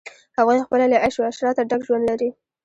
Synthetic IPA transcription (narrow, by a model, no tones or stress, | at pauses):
hawɑjnxpəlalaʔaʃeaʃɾɑt̪aɖaɡʒwand̪laɾi